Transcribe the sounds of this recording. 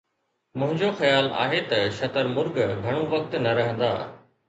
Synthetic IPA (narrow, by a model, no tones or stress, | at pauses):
mʊ̃ɦɪ̃ɲd͡ʑoxɐjaːla̰ːɦet̪ɐʃɐt̪əɾmʊɾɡɡʱɐɽ̃ũʋɐk̚t̪nɐɾɐɦə̃nd̪a̰ː